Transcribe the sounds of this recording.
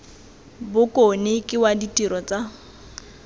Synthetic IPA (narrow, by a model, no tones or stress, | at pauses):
bʊkʼonɪkʼɪwaditʼiɾɔt͡sʼa